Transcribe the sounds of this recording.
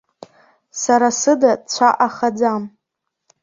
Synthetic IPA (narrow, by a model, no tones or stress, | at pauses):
saɾasɨdadt͡ɕʷʰaʔaχad͡zam